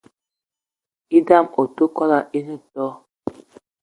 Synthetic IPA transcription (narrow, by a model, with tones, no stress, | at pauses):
i˦da˦˨mo˨tu˦kɔ˦la˨ʔi˦nu˦tɔ˦